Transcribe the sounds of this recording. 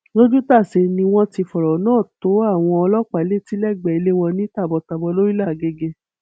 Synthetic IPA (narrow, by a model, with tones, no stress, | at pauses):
lo˦d͡ʒu˦ta˦˨se˧nĩ˧w̃ɔ̃˦ti˧fɔ˨ɾɔ˨˦nãː˦˨to˨˦a˦˨w̃ɔ̃˧ɔ˧lɔ˦k͡pa˨˦le˦˨ti˨˦lɛ˦˨ɡ͡bɛ˨i˧le˦w̃ɔ̃˧nĩ˦ta˦˨bɔ˧ta˧bɔ˧lo˦ɾi˦la˦˨ɡe˧ɡe˧